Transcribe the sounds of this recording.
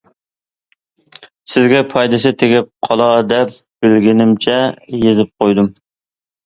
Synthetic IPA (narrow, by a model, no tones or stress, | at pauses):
sɪzɡʲɛpʰɑjd̪ɪs̬ɪt̪ʰeɡʲɪp̚qʰɑlˠɑd̪ɛp̚b̥ɪlɡʲɪnɪmt͡ʃʰɛjezɪp̚qʰojd̪um